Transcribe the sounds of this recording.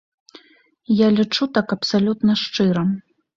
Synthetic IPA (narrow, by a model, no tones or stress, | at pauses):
jalʲit͡ʂut̪akɐpsalʲut̪nɐʂt͡ʂɨɾɐ